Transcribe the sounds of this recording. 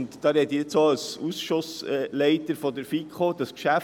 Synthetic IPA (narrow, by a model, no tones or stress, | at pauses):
ntd̥ɑɾɛt̪iet͡soəsusʃʊsɛːlɛɪtəɾfɔd̪əɾfikχod̥ɑskʃæ